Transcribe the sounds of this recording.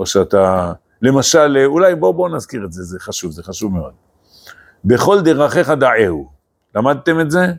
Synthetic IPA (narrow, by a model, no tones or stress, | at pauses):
oʃeat̪aː | e̞maʃalulajbo̞bo̞nazkiʁetze̞zeχaʃuvzeχaʃuvmeo̞d̪ | be̞χo̞ld̪e̞ʁaχe̞χad̪aʕehu | lamad̪̚t̪e̞metze̞